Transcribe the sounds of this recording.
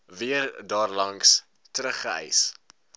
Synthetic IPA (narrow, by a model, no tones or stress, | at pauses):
viərdɑːrlɐŋks | tɾəχəɛ̰js